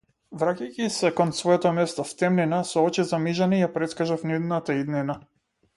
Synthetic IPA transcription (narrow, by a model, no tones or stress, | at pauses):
vɾacajcisɛkɔnsvɔjɛt̪ɔmɛst̪ɔft̪ɛmninasɔɔt͡ʃizamiʒanɛijapɾɛt̪skaʒafnid̪nat̪aid̪nina